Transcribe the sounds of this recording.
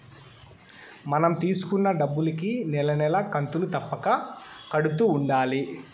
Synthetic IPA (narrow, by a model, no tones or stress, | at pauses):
mɐnɐmt̪iːsu̥kunːɐɖɐbːulɐkinɛlɐnɛlɐkɐnt̪ulut̪ɐpːɐkɐkɐɽut̪uːɳɖaːli